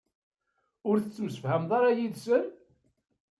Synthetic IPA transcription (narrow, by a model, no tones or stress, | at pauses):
ʊɾθət͡sːməsə̥fhæmðˤɑɾˤɑjiðsən